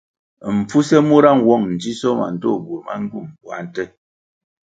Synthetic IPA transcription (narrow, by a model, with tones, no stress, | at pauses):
m̩˨p͡fu˦sɛ˦mu˦ɾa˦˨ŋwɔ˦˨ŋn̩˨d͡ʒi˦sɔ˦ma̰˨n̩˨tɔ̰˦˨bwo˨ma̰˦ŋ̩˦ɡu˦˨m˨bwa̰˨˦n̩˦tə˦